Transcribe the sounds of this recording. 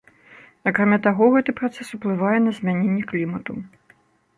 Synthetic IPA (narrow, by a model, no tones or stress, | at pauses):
ɐkɾamʲat̪aɣɔɣɛt̪ɨpɾat̪sɛsuplˠɨvajɛnɐzʲmʲanʲenʲːɛklʲimɐt̪u